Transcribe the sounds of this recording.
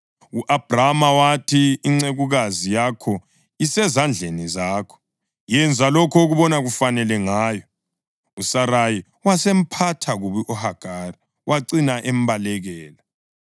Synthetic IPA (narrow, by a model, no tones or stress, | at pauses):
uʔab̥ramawatʰiːŋ͡ǀeɣuɣazijakʰɔ | isɛzand͡ɮʱenizaːkʰɔ̥ | jɛnd͡zʱalɔkʰɔoɣuβɔnaɣufanɛlɛŋaːjɔ | usaɾaji | wasem̩pʰatʰaɣuβiʔɔhaɡ̥ʱari | waǀinaʔɛmbalɛɣɛːla